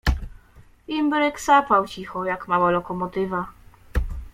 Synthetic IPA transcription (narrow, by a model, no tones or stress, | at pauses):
imbɾɛksapawt͡ɕixɔjakmawalɔkɔmɔt̪ɘva